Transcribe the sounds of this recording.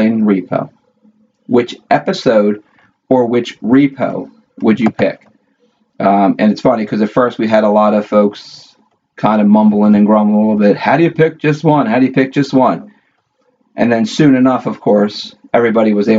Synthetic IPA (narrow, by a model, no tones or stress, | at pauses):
ɪ̃nɹipʰo̰ʊ | wɨt͡ʃɛpɨsoʊd | ə˞wɪt͡ʃɹipʰo̰ʊ | wəd͡ʒɨpʰɪ̰k | ɨ̃nɨtsfʌnikʰʌzɨtfɜ˞st̚wiɨɾəlɔɾʌv̥foʊks | kʰãɪ̃ndɨmʌ̃mbl̩ˠɪ̃ŋɨ̃nɡɹʌ̃məlɪɾl̩ˠbɪt̚haʊɾɨjɨpʰɪk̚d̥ʒ̥ʌst̚wʌ̃nhaʊɾɨjɨpʰɪk̚d̥ʒ̥ʌst̚wʌ̃n | ʔɨ̰̃nðɨ̃nsʉ̃nɨnʌfʌv̥kʰɔɹsɛvɹibɑɾiwʌzeɪ